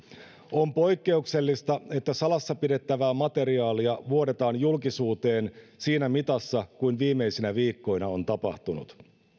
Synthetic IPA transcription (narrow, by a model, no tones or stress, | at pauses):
o̞mpo̞jkːe̞ukse̞lːist̪ɑe̞t̪ːæsɑlɑsːɑpide̞t̪ːæʋæːmɑt̪e̞ɾiɑːliɑʋuo̞ɾe̞t̪ɑːnjulkisuːt̪e̞ːnsiːnæmit̪ɑsːɑkujnʋiːmːe̞jsinæʋiːkːo̞jnɑo̞nt̪ɑpɑ̰ht̪unṵt̪